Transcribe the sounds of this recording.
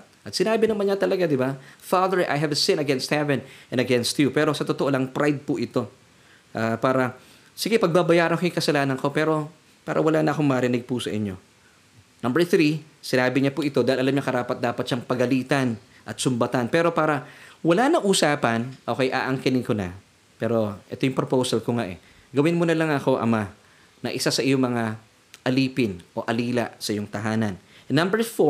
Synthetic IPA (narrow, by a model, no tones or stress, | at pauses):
ʔɐt̪sɪnaːbɪnɐmɐnɲat̪ɐlɐɡad̪ɪbafad̪ɛɹʔa̰jɦɐvɐsɪ̃nɐɡɛnst̪hɛvɛ̃nʔɛ̃nd̪ɐɡɛnst̪jupɛːɾo̞sɐt̪ot̪oʔolɐŋpɾʔajd̪̚pʊʔɪt̪o̞ | ʔaːpaːɾɐ | sɪɡɛpɐɡ̚babɐjaːɾɐŋkojŋkɐsɐlaːnɐnko̞pɛːɾo̞ | paːɾʔɐ̰wɐlaːnɐʔɐkoŋmɐɾɪnɪɡ̚pʊsɐʔɪ̰ɲo̞̰ | nɐmbɛɹθɾi | sɪnaːbɪɲɐpʊʔɪt̪o̞d̪aːhɪlʔɐlamɲɐkɐɾaːpɐt̪̚d̪aːpɐt̪ʃɐŋpɐɡɐliːt̪ɐn | ʔɐt̪̚sʊmbɐt̪anpɛːɾo̞paːɾɐwɐlanɐŋʔuːsaːpɐnʔoːkɐjʔa̰ːʔɐŋkɪnɪŋkonɐ | pɛːɾo̞ʔɛ̰t̪ojʊŋpɾopowsɐlkoŋaʔɛ̰ | ɡɐwɪnmonɐlɐŋɐko̞ʔɐ̰ma | nɐʔɪsasɐʔɪjoŋmɐŋa | ʔɐliːpɪnʔo̞̰ʔɐliːlɐ̰sɐʔɪjoŋt̪ɐɦaːnɐnnɐmbɛɹfo